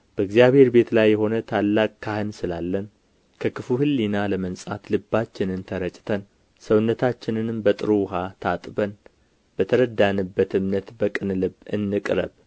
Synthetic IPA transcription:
b̥əɨɡzijaβhe̞ɾbe̞t̪ʰlajːɛɦo̞nət̪ʰalːakʼkʰːahɨnsɨlalːən | kʰəkʰɨfuhɨlːinaləmənsʼat̪lɨbːat͡ʃːɪnɨnt̪ʰəɾət͡ʃʼɪ̥t̪ʰən | səwnːət̪ʰat͡ʃːɪnɨnɨmbət̪ʼɨɾuɦat̪ʰat̪ʼbən | bət̪ʰəɾəd̪anɨbːət̪ɨmnət̪bəkʼɨnlɨbɨ̰nːɨkʼɾə̰β

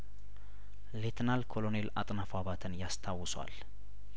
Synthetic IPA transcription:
let̪ʰnalkʰo̞lo̞ne̞lat̪ʼnafaβat̪ʰɨnjast̪ʰawːɨswa̰l

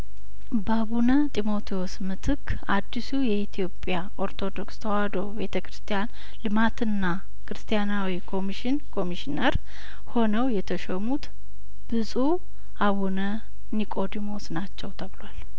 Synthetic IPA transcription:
baβunət̪ʼimo̞t̪ʰiosmɨt̪ʰɨkʰː | ad̪ːisujɛit̪ʰijo̞pʼːjaʔo̞ɾt̪ʰo̞d̪o̞kst̪ʰəwad̪o̞be̞t̪ʰəkɾɨst̪ʰʼijan | lɨmat̪ʰɨnːa | kɾɨst̪ʰʼijanawikʰo̞miʃɪnkʰo̞miʃineɾ | ho̞nəwjɛt̪ʰəʃəmut̪ | b̥ɨsʼu | aβunə | nikʼo̞d̪imo̞snat͡ʃːɛwt̪ʰəβlwal

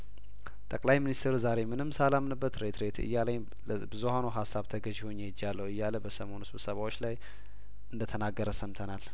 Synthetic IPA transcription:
t̪ʼəkʼlajminist̪ʰeɾuzaɾe̞mɨnɨmːsalamnɨbːət̪ɾet̪ɾe̞t̪ʰɨ̰jːalaj | bɨzuhanoɦasːaβt̪ʰəɡəʒɪho̞ɲːed͡ʒːjalːəwɨjːaləbəsəmo̞nɨsɨβsəβawo̞t͡ʃːlaj | ʔɨnd̪ət̪ʰənaɡəɾəsəmt̪ʰənal

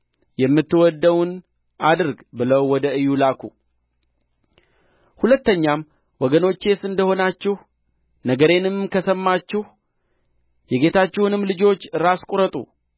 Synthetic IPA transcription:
jɛmːɨt̪ːɨwɔd̪ːəwn | ad̪ɨɾɡbɨləwːɔd̪əɨjːulakʰu | hulət̪ːəɲːam | wɔɡəno̞t͡ʃːe̞sɨnd̪əho̞nat͡ʃːɪh | nəɡəɾe̞nɨmkʰəsəmːat͡ʃːɪh | jɛɡe̞t̪ʰat͡ʃːɪhunɨmlɨd͡ʒo̞t͡ʃːɨɾaskʼuɾət̪ʼṵ

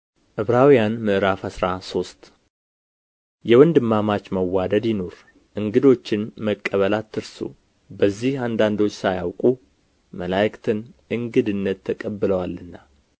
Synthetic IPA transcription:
ʔɨβɾawijanmɨʔɨɾafhəsɾaso̞st̪ | jɛwənd̪ɨmːamat͡ʃməwːad̪əd̪jɪno̞ɾ | ʔɨŋɡɨd̪o̞t͡ʃːɪnməkʼːəβəlat̪ːɨɾsṵ | bəzːihand̪and̪o̞t͡ʃːsajawkʼu | məlajkt̪ʰɨnʔɨŋɡɨd̪ɨnːət̪ʰːəkʼəbːɨləwalːɨnːa

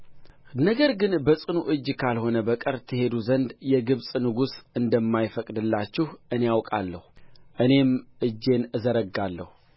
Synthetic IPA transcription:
nəɡəɾɡɨnbəsʼɨnuʔɨd͡ʒːkʰalho̞nəbəkʼəɾt̪ʰɨhe̞d̪uzənd̪jɛɡɨβsʼnɨɡusɨnd̪əmːajfəkʼd̪ɨlːat͡ʃːɪhʔɨne̞jawkʼa̰lːəhʔɨne̞mʔɨd͡ʒːe̞nɨzəɾəɡːalːə̰hu

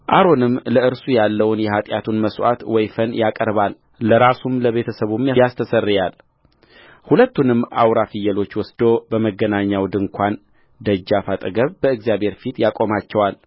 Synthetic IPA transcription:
ʔaɾo̞nɨmləɨɾsujalːəwʊnjɛhat̪ʼjat̪ʰunməswa̰t̪wɔjfənjakʼəɾβal | ləɾasumləβe̞t̪ʰəsəβumjast̪ʰəsərːjal | hulət̪ːunɨmːʔa̰wɾafɨjːəlo̞t͡ʃːwɔsd̪o̞bəməɡːənaɲːawd̪ɨŋkʷʰan | d̪əd͡ʒːafat̪ʼəɡəβbəɨɡzijabʱhe̞ɾfit̪jakʼo̞mat͡ʃːɛwal

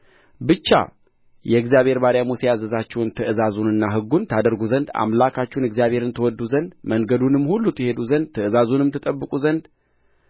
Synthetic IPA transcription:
bɨt͡ʃːa̰ | jɛɨɡzjaβhe̞ɾbaɾjamusijazəzat͡ʃːɛwnt̪ʰəʔɨzazunɨnːaɦɨɡːunt̪ʰad̪əɾɡuzənd̪a̰mlakʰat͡ʃːɛhunɨɡzjaβhe̞ɾɨnt̪ʰəwɔd̪ːuzənd̪məŋɡəd̪unɨmːhulːut̪jɛhe̞d̪uzənd̪̚t̪ʰəɨzazunɨmt̪ʰɨt̪ʼəbːɨkʼuzənd̪

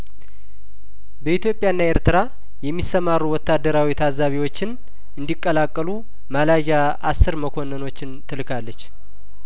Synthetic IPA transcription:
bəit̪jo̞pʼːjaɨnːaeɾt̪ɨɾa | jɛmːisəmarːuwɔt̪ːad̪ːəɾawit̪ʰazaβiwot͡ʃːɪn | ɨnd̪ikʼːəlakʼːəlu | malaʒa | ʔasːɨɾməkʰo̞nːəno̞t͡ʃːɪnt̪ʰɨlɨkʰalːət͡ʃː

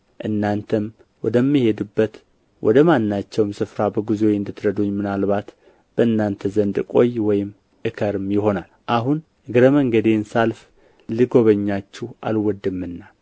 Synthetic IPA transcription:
ʔɨnːant̪ʰəm | wɔd̪əmːihe̞d̪ɨbːət̪ | wʔɔ̰d̪əmanːat͡ʃːɛwmsɨfɾabəɡɨzojɨnd̪ɨt̪ːɾəd̪uɲːmɨnalβat̪ | b̥əɨnːant̪ʰəzənd̪kʼo̞jwɔjɪm | ʔɨkʰəɾɨmjɪɦo̞nalʔaɦun | ɨɡɨɾəməŋɡəd̪ensalf | liɡo̞βəɲːat͡ʃːuhʔa̰lwɔd̪ɨmːɨnːa

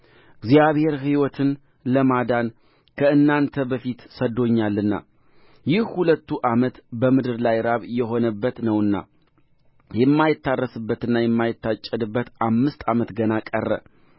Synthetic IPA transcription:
ɨɡzijaβhe̞ɾɦiwɔt̪ʰɨn | ləmad̪an | kʰəɨnːant̪ʰəbəfit̪səd̪o̞ɲːalːɨnːa̰ | jɪhhulət̪ːuʔamət̪bəmɨd̪ɨɾlajɾaβjɛɦo̞nəbːət̪nəwɨnːa̰ | jɛmːajɪt̪ːarːəsɨbːət̪ɨnːajɛmːajɪt̪ːat͡ʃʼːɛd̪ɨbːət̪ʔamːɨst̪ʰʼamət̪ɡənakʼə̰rːə̰

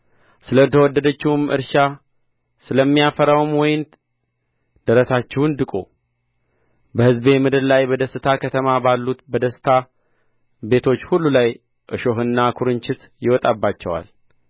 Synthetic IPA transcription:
sɨlət̪ʰəwɔd̪ːəd̪ət͡ʃːɪhumʔɨ̰ɾʃa | sɨləmːijafəɾawmwɔjɪn | d̪̥əɾəsat͡ʃːɛhund̪ɨkʼo | bəhɨzbe̞mɨd̪ɨɾlajbəd̪əsɨt̪ʰakʰət̪ʰəmabalːut̪bəd̪əsɨ̥t̪ʰa | be̞t̪ʰo̞t͡ʃːhulːulaj | ʔɨʃo̞ɦɨnːakʰuɾɨnt͡ʃɪt̪ | jɪwɔt̪ʼabːat͡ʃːɛwa̰l

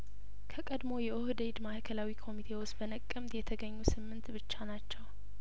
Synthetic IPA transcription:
kʰəkʼəd̪mo̞jɛʔohd̪əjd̪mahkʰəlawikʰo̞mit̪ʰe̞wosbənəkʼːəmd̪jɛt̪ʰəɡəɲːusɨmːɨnt̪bɨt͡ʃːanat͡ʃːɛw

